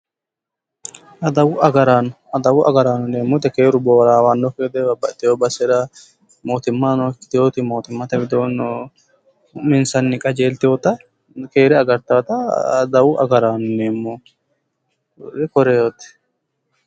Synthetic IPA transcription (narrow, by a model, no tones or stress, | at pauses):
ɐd̪ɐwʊɐɡɐɾaːnʊ | ɐd̪ɐwʊʔɐ̰ɡɐɾaːnʊneːmːʊt̪ɛkeːɾʊboːɾaːwanːɔkeːd̪ɛbɐbːɐt̪ʼːɪjoːbɐsːɛɾɐ | moːt̪ɪmːɐnɔɪt̪ɪjoːt̪ɪmoːt̪ɪmːɐt̪ɐbɪd̪oːn | mɪnsɐnːɪkʼɐd͡ʒeːlt̪ɪjoːt̪ɐ | keːɾɛɐɡɐɾt̪aːt̪ɐd̪ɐwʊʔɐɡɐɾaːnʊneːmːu | ɾɪkɔɾɛjot̪ɛ̥